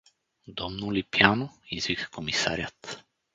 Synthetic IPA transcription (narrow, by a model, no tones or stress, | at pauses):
d̪ɔmnulipjanɔizvikakɔmisa̰ɾʲjat̪